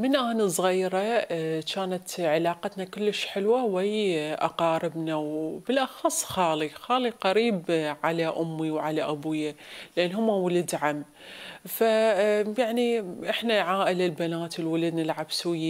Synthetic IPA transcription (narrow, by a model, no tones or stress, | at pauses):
mɪnʔaːnɨsˤɣiːɾat͡ʃaːnat̪ʕɪlaːqat̪nakʊlːɪʃħɪlwawijʔɑ̰qɑːɾɪbnawbɪlʔɑxɑsˤːxɑːlixaːliqɑɾiːbʕalaʔʊmːiwʕalaʔabujalʔanːɦʊmːawʊlad̪ʕamː | fajaʕniʔɪħnaʕaːʔɪlɪlbanaːt̪ɪlwalad̪nalʕabsɪj